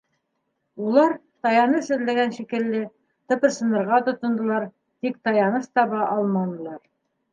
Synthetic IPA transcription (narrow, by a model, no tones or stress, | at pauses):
ulˠɑɾ | t̪ɑjɑnɤʃɵ̆ðlæɡænʃikɘ̆lːɘ | t̪ɤ̆pɤ̆ɾsɤ̆nɤ̆ɾʁɑt̪ŏt̪ŏnd̪ɤ̆lˠɑɾ | t̪ik̚t̪ɑjɑnɤʃt̪ɑβɑʔɑlˠmɑnɤ̆lˠɑɾ